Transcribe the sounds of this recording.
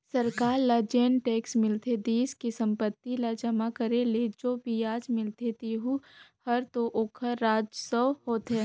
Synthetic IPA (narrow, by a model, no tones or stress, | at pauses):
sɐɾkaːɾlad͡ʒeːnʈeːksmɪlt̪ʰed̪iːskisə̃mpət̪ːilad͡ʒɐmakəɾeleːd͡ʒoːbiaːd͡ʒmɪlt̪et̪iɦuhɐɾt̪oʔoːkʰəɾːaːd͡ʒsəwhoːt̪e